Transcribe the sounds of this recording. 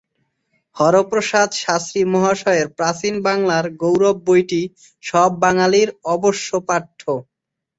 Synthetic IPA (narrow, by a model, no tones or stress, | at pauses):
hɔɾopɾoʃad̪ʃast̪ɾimɔɦaʃɔeɾpɾasinbaŋlaɾɡowɾob̚ːojʈi | ʃɔbːaŋaliɾɔboʃːopaʈʰːo